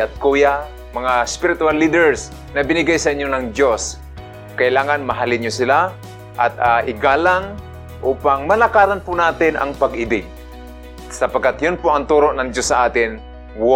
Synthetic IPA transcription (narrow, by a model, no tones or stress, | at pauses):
ɐt̪̚kuːja | mɐŋaɛspɪɾɪt̪ʊalːid̪ɛɹs | nɐbɪnɪɡajsɐʔɪɲjonɐŋd̪jos | kɐʔɪlaːŋɐnmɐɦalɪnɲjosɪla | ʔɐt̪̚aʔɪɡaːlaŋ | ʔuːpaŋmɐlɐkaːt̪anpʊnaːt̪ɪnʔɐ̰ŋpɐɡʔɪbɪp̚ | sɐpɐɡkːat̪jʊnpʊʔɐŋt̪uːɾoʔnɐŋd͡ʒ̪josːɐʔaːt̪ɪn | w